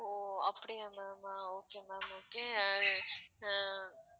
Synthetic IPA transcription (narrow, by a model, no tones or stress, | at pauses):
oɐpːɐɽijamɛːmaoːkemɛ̃ːmoːke | ã